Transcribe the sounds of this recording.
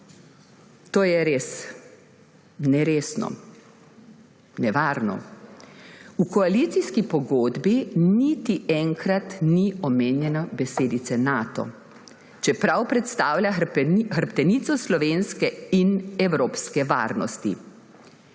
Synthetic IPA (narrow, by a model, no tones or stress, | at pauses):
t̪oːjɛɾeːs | nɛɾeːsnɔ̰ | nɛʋaːɾnɔ̰ | ukɔalit̪siskipɔɡoːd̪binit̪iɛŋkɾat̪niɔmeːnjɛnabɛseːd̪it̪sɛnaːt̪ɔ̰ | t͡ʃɛpɾawpɾɛt̪st̪aːwlʲjaxəɾpt̪ɛniːt̪sɔslɔʋeːnskɛinɛwɾoːpskɛʋa̰ːɾnɔ̰st̪ḭ